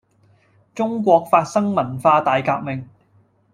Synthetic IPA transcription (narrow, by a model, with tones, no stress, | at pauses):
t͡sʊ˥ŋkʷɔː˧k̚faː˧t̚sɐ˥ŋmɐ˨˩nfaː˧t̪aː˨jkaː˧k̚mɪ˨ŋ